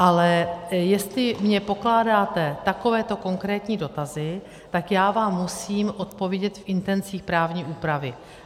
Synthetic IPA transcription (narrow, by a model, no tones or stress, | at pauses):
ʔalɛjɛst̪lɪmɲɛpo̞klaːdaːt̪ɛt̪ako̞vɛːt̪o̞ko̞ŋkɾɛːt̪ɲiːdo̞t̪azɪ | t̪akjaːvaːmːusiːmʔo̞t̪̚po̞vjɛɟɛt̪fʔɪnt̪ɛnt͡siːxpɾaːvɲiːʔuːpɾavɪ